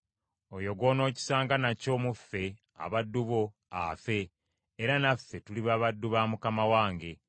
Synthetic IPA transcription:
ojo̞ɡwo̞no̞ːci̥saːŋɡanaco̞ːmufːe̞ | a̰βadːuβo̞ | a̰fe̞ː | ɾanafːetuliβaːβadːuβaːmukamawaːŋɡe̞

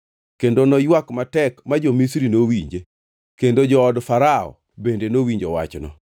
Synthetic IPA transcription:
kendonɔjwakmatɛkmad͡ʒomisɾinowiɲd͡ʒe | kendod͡ʒɔɔdfaɾaɔ̰ | bendenowiɲd͡ʒɔ̰wa̰t͡ʃnɔ̰

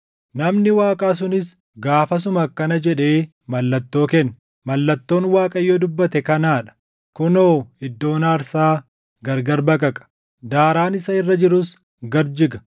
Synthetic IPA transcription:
nɐmnɪwaːkʼaːs̬ʊnɪs | ɡaːfɐs̬ʊmɐkːɐnɐd͡ʒɛᶑe̞ː | mɐlːɐt̪ːo̞ːkɛnː | mɐlːɐt̪ːo̞ːnwaːkʼɐjːoːd̪ʊbːɐt̪ɛkɐnaːᶑɐ̥ | kʊnoːɪd̪ːo̞ːnaːɾsaː | ɡɐɾɡɐɾbɐkʼɐkʼɐ̥ | d̪aːɾaːnɪsɐɪrːɐd͡ʒɪɾʊs | ɡɐɾd͡ʒɪɡɐ̥

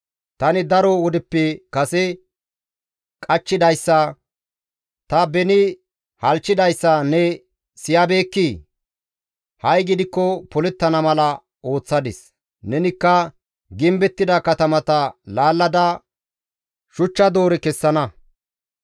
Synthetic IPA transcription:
t̪ɐnɪd̪ɐɾɔwɔd̪ɪpːɛkɐsɛ | kʼɐt͡ʃːɪd̪ɐjsːɐ | t̪ɐbɛnɪ | hɐlt͡ʃːɪd̪ɐjsːɐnɛ | sɪjɐbe̞ːkːi | hɐjɡɪd̪ɪkːɔpɔlɛt̪ːɐnɐmɐlɐ | o̞ːt͡sːɐd̪ɪs | nɛnɪkːɐ | ɡɪmbɛt̪ːɪd̪ɐkɐt̪ɐmɐt̪ɐlaːlːɐd̪ɐ | ʃʊt͡ʃːɐd̪o̞ːɾɛkɛsːɐnɐ

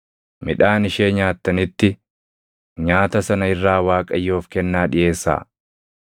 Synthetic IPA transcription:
mɪᶑaːnɪʃeːɲaːt̪ːɐnɪt̪ːɪ | ɲaːt̪ɐsɐnɐɪrːaːwaːkʼɐjːo̞ːfkɛnːaːᶑɪje̞ːsːa̰ː

